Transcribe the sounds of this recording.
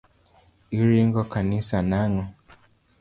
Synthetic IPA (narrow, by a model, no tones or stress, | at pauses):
iɾiŋɡɔkanisanaŋɔ